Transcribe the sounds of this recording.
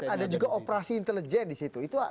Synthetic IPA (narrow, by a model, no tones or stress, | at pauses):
adad͡ʒuɡaʔopɾasiːnt̪ələd͡ʒɛndisit̪uit̪ua